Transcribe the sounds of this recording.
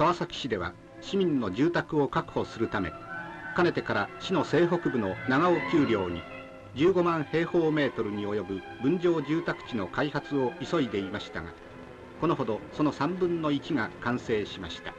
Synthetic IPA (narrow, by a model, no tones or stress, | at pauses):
kaβasakʲi̥ɕid̪e̞βa̰ | ɕimʲĩnːo̞ʑɨːt̪akɯ̟o̞kakɯ̟̥ho̞sɨɾɯ̟t̪ame̞̰kane̞t̪e̞kaɾaɕino̞se̞ːɦo̞kɯ̟bɯ̟no̞naɡaokʲɨːɾʲo̞ːɲ̟i | d͡ʑɨːɡo̞mãɰ̃he̞ːho̞ːme̞ːt̪o̞ɾɯ̟ɲ̟io̞jo̞bɯ̟ | bɯ̟̃ɲ̟d͡ʑo̞ːʑɨːt̪akɯ̥t͡ɕino̞kaihat͡sɨo̞iso̞id̪e̞imaɕi̥t̪a̰ɡa̰ | ko̞no̞ɦo̞d̪o̞so̞no̞sãmbɯ̟̃nːo̞it͡ɕiŋakãɰ̃se̞ːɕimaɕi̥t̪ḁ